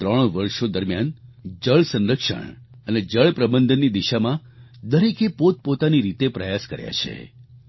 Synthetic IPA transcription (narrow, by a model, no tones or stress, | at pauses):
t̪ɾəɳ̃ʋəɾʃod̪əɾmjand͡ʒəɭsə̃nɾəkʂə̰ɳ | əned͡ʒəɭpɾəbənd̪ʱənːid̪iʃamãd̪əɾekepot̪̚pot̪aniɾit̪epɾəjaskə̰ɾja̰t͡ʃʰḛ